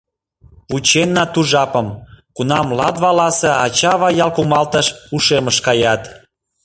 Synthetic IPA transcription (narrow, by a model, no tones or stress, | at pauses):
put͡ɕenːɑt̪uʒɑpəmkunɑmlɑd̪βɑlɑseɑt͡ɕɑβɑjɑlkumɑlt̪əʃuʃeməʃkɑjɑt̪